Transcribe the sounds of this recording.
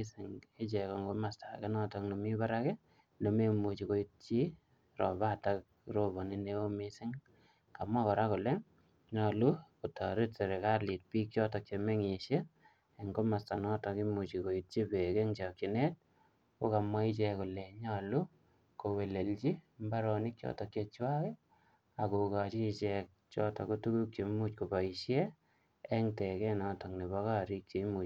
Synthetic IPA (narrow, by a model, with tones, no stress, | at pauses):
sɪ˨ŋe˦t͡ʃɛ˨kɔ˨ŋɡo˦ma˨sta˨kɛ˦nɔ˦tɔ˦kno˨mi˦baɾa˦kɛ˦ | no˨me˦mu˨t͡ʃiko˦ji˦t̚t͡ʃi˦ | rɔ̰˨ba˦tak̚ | ro˦bo˨ni˦ne˦wo˦misɪ˦ŋ | ka˨mwa˦kɔ˨ɾa˦kʊ˨le˦ŋ | ɲɔlu˦ku˨tɔ˨ɾi˦tse˨ɾe˨ka˦li˨t̚piː˦k̚t͡ʃɔ˦tɔk̚t͡ʃeme˦ŋi˨ʃe˦ | e˨ŋko˦ma˨sta˨nɔ˦tɔ˨ki˦mu˨t͡ʃi˨ko˨i˨t̚t͡ʃi˦be˨ke˦ŋt͡ʃa˨kt͡ʃi˨ne˦t̚ | ko˦ka˨mwa˦it͡ʃɛkʊ˨le˨ɲɔ˨lu˦ | ko˨we˨le˨lt͡ʃi˦mba˦ɾɔnɪ˦kt͡ʃɔ̰˦tɔ˨kje˧t͡ʃwa˦ke˦ | a˨ko˨ka˨t͡ʃi˦t͡ʃɛk̚t͡ʃɔ˦tɔ̰ku˦tu˦ku˦kt͡ʃe˨mu˦t͡ʃko˨pa˨i˨ʃje˦ | ɛ˦ŋtɛ˨kɛ˦nɔtɔ˨k̚ni˨βɔ˦ka˦ɾi˦k̚t͡ʃe˨˦mu˨